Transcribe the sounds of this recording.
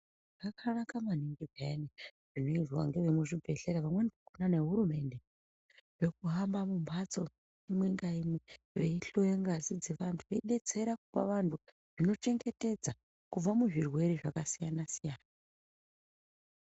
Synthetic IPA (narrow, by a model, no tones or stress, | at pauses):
ŋɡakʰarakamaniŋɡiveniʐ̥ino̞iʐwa̰ŋɡeʋemuʐibʱe̞ɬeɾaʋamwenikakonane̞ɦuɾume̞nde̞ | ʐekuɦambamumbat͡so̞ | imweŋɡaimwe | ʋe̞iɬo̞jeŋɡazid͡zeʋantʰuʋeiɗe̞t͡se̞ɾakupa̰ʋantʰu | ʐ̥ino̞t͡ʃe̞ŋɡe̞te̞d͡za | kub͡vamuʐirwe̞ɾiʐakasijanasijaːna